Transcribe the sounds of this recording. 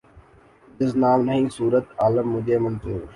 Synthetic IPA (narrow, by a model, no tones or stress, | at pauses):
d̪ɪs̬naːmnəɦĩːsuːɾət̪aːləmːʊd͡ʒʱeːmənt̪e